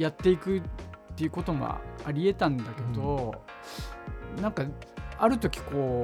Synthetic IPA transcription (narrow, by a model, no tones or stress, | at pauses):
jat̪ːe̞ikɯ̟t̪ːe̞jɯ̟ko̞t̪o̞ma̰aɾʲie̞t̪ãnd̪ake̞d̪o̞ | nãŋkaaɾɯ̟t̪o̞kʲi̥ko̞ː